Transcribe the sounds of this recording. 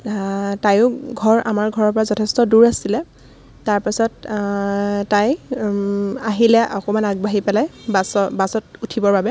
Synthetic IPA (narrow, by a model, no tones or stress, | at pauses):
tajʊɡʱɔɹʔa̰maɹɡʱɔɹɔɹpɔɹazɔtʰɛstɔduɹasilɛ | taɹpisɔt | taj | aɦilɛʔɔkɔmanaɡ̚baɦipɛlajbasɔbasɔtutʰibɔɹbabɛ